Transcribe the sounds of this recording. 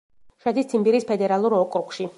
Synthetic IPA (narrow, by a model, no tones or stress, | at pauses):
ʃad̪ist̪sʰimbiɾispʰɛd̪ɛɾalˠuɾɔkʼɾukʼʃi